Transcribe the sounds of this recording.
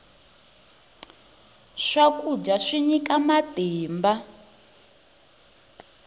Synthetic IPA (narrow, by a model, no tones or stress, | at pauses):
ʂakud͡ʒaʂiɲikamatɛːmba